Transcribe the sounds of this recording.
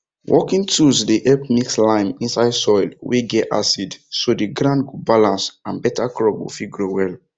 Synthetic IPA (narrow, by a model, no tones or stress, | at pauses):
wʔɔkĩŋtʰusdeʔɛpmikslãɪ̃mĩnsaɪdsɔɪlweɡɛta̰sidsodiɡɹãndɡubalãnsãnbɛtʰakɹɔp̚ɡo̰fiɡɹowɛl